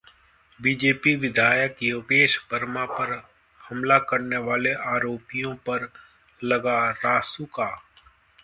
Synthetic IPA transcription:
biːd͡ʒeːpiʋɪd̪ʱaːjəkjobeːʃbʱəɾmãpəɾ | hɐmlakəɾneʋaːleʔaːɾoːpijõpəɾ | lɐɡaɾaːsukaː

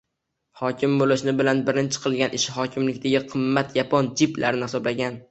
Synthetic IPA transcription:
hɒkʲʰɪmbolɪʃnɪbɪlanbɪɾɪnt͡ʃʰɪ̥qʰɨlˠɡʲanʔɪʃɪhɒkʲʰɪmlɪkʲt̪aɡʲɪqʰɨmːat̪japʰɒnd͡ʒɪpla̰ɾnɪhɪsɒblaɡʲan

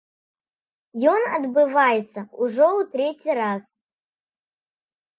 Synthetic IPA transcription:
jonɐ̰d̪bɨvajɪt̪səuʐɛut̪ɾʲetʲiɾas

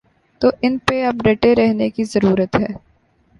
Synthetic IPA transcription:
t̪oːʔɪnpeɐbɾeʈeɾɛɦnekizɐɾuːɾət̪ɦɛː

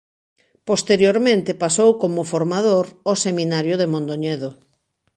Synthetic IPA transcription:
post̪eɾjoɾmẽnt̪ɪpasowkomʊfoɾmaðoɾosemĩnaɾjʊðemõnd̪oɲɛðo

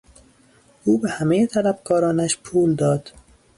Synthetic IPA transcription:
ʔuːbehæmejet̪ʰælæfkʰɒːɾɒːnæʃpʰuːld̪ɒːd̪̥

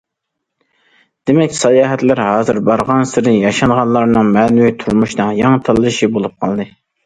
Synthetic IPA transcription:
d̪̥emɛkʲsɑjɑːɦɛt̪lɪɾhɑːzɨɾbɑɾʁɑnsɪɾnɪjɑʃɑnʁɑnlˠɑɾnɨŋmɛːnuwit̪ʰuɾmuʃnɨŋjɑŋt̪ʰɑlˠɨʃibolˠup̚qʰɑlˠd̪ɨ

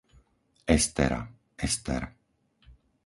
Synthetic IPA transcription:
ɛst̪ɛ̰ɾa̰ | ɛst̪ɛ̰ɾ

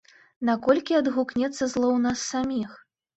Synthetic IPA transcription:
nakɔlʲkʲiɐd̪ɣuknʲɛt̪sːɐzlˠɔwnasːamʲix

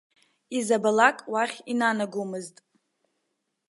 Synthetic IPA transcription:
izabalakʼwaχʲinanaɡumɨztʼ

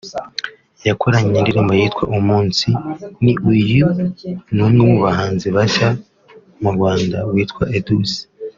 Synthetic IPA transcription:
jakʰoɾaɲendiɾombajiːtkwaʔumuːnsiniʔujunumŋemuβahaːnziβaʃa | muɾɡwaːndawiːtkwaʔedusi̥

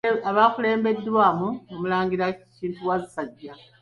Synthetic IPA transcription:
aβakule̞ːmbe̞dːwaːmuomulaːŋɡiɾaciːntuwazisaɟːa

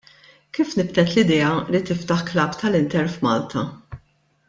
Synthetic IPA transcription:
kiːfnɪbt̪ɛt̪lɪd̪ɛːjɐlit̪ɪft̪ɐħklɐːpt̪ʰɐlɪnt̪ɛɾfmɐːlt̪ʰɐ

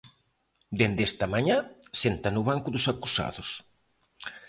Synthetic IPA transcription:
d̪end̪est̪ɐmaɲasent̪ɐnʊβaŋkʊðʊsakusa̰ðʊs

